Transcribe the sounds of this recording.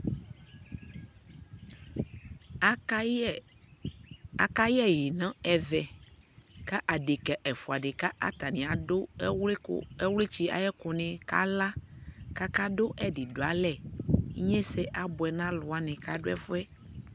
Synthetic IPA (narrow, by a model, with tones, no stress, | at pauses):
a˨ka˦ji˦ɛ˦ji˨nã˦ɛ˨vɛ˨ | ka˦ʔa˨ɖe˨kɛ˨ʔɛ˨fo˨a˨ɖe˨ka˦ʔa̰˦t̪a˨nĩ˨a˨o˦we˦o̰˦ɛ˦wle˦t͡ɕi˦a̰˨jɛ˦ko˨nẽ˨ka̰˦la˦ka˦ka˦ɖo˦ʔɛ˦ɖi˨do˨a˨lɛ˦˨˦ɲɛ̃˦se˦ʔa˨bo˨ɛ˨nã˦lo˨a˦nɛ̃˨ka˦ɖo˦ɛ̰˦fo˦ɛ˦